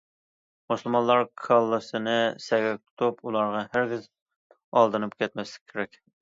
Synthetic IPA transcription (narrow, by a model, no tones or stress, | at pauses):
musɨlˠmɑnlːˠɑɾkʰɑlˠːɨsɨnɨsɛɡʲɛk̚ʲt̪ʰu̥t̪ʰupulˠɑɾʁɑhæɾɡʲɪz | ɑlˠd̪ɨnɨp̚kʲʰɛt̪̚mɛslɪ̥kʲkʰeɾɛkʲ